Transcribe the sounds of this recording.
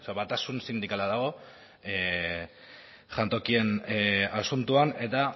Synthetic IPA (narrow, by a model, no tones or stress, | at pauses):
seβat̪asunsind̪ikalaðaɣ̞o̞ | e | ʝant̪o̞kienasunt̪uane̞t̪a